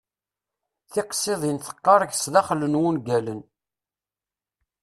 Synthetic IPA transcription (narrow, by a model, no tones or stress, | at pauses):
θɪqsˤeðˤinθə̥qːɑɾˤəʝsðɑχlənwunɡælən